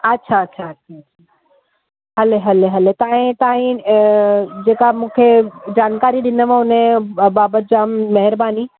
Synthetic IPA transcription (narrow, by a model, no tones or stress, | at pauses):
ɐtːʃʰaɐtːɕʰaɐtːʃʰatʃʰa | ɦɐleɦɐleɦɐlet̪aːɦĩt̪aːɦĩ | d͡ʑeːkamũːkʰed͡ʑaːnkaːɾiɗɪnəʋẽʊnẽbaːbət̪̚d͡ʑaːmmɐɦɪɾbaːni